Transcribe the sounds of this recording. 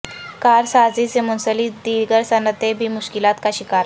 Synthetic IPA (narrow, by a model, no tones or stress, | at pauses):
kaɾsad͡ziːsemunsəliːd̪iːɾɡəɾsənət̪ebʱiːmuɕkilat̪kaɕikaɾ